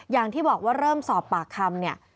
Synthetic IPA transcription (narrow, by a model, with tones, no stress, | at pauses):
jaː˨˩ŋt̪ʰiː˥˩bɔː˨˩k̚waː˥˩ɾɤː˥˩msɔː˨˩pːaː˨˩kʰːa˧mni˥˩ɐ